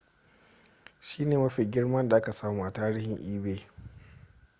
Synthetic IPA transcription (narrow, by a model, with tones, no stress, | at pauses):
ʃiː˦neː˨mɐ˦ɸi˨ɡʲɪ˦rmɐ˦nda˨ʔa˦ka˨saː˦muː˦ʔa˨taː˦ɾiː˦hɪ˨ŋʔiː˦beː˦